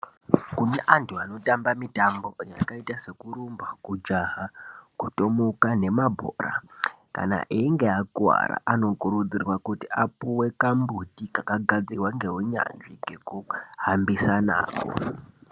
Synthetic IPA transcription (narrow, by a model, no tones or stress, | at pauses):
kuneʔantʰuano̞tambamitambo̞ja̰kaitase̞kuɾumbakud͡ʒaɦakuto̞mukane̞mabʱoːra̰ | ka̰na̰ʔiːŋɡeakuwa̰ɾa̰ʔano̞kuɾud͡zirwakutiapuwe̞kambutikakaɡʱad͡zirwaŋɡe̞ɦuɲa̰nʐiŋɡe̞kuhambisana̰ːko̰